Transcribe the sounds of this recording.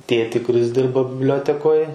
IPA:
ˈtʲeːtʲiː kʊˈrʲɪs ˈdʲɪrbɐ bʲɪbʲˈlʲoːtʲɛkoːj

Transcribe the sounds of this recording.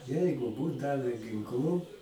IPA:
ˈjɛɪɡʊ ˈbuːt ˈdɑːʋʲɛ ɡʲɪŋˈklˠuː

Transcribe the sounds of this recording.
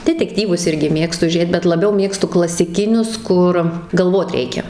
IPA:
dʲɛtʲɛkˈtʲiːʋʊs ˈɪrʲɡʲɪ ˈmʲeːkstʊ ˈʒʲeːt bʲɛt lˠɐˈbʲɛʊ ˈmʲeːkstʊ klˠɐsʲɪˈkʲɪnʲʊs ˈkʊr ɡɐlˠˈʋoːt ˈrʲɛɪkʲɛ

